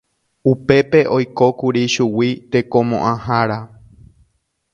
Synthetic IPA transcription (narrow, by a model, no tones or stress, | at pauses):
upe̞pe̞ʔo̞jko̞kuɾiʃuwit̪e̞kõ̞mõ̰ʔãhaɾa